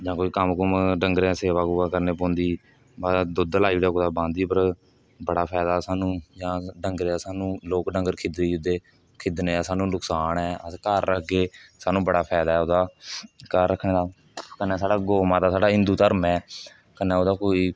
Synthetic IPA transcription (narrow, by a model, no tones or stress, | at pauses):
d͡ʒãːkoːiːkəmkʊmɖəŋɡɾẽseːʋaːɡʊaːkəɾneːpɔ̃ːnd̪iː | bad̪ʊd̪laːiːɽɛːkːd̪aːbãːnd̪iːpəɾ | bəɽaːpʰɛːd̪aːsaːnũːd͡ʒãːɖəŋɡɾeːaːsaːnũːloːkɖəŋɡəɾkʰɪd̪d̪iːd̪eː | kʰɪd̪neːsaːnũːnʊksaːnɛːəskəɾːəkʰɡeːsaːnũːbəɽaːpʰɛːd̪aːɛːod̪aːkəɾːəkʰnẽːd̪aː | kənːɛːsaːɽaːɡoːmãːd̪aːsaːɖaːɦɪ̃nd̪uːt̪əɾmɛː | kənːɛ̃ːoːd̪aːkoːiː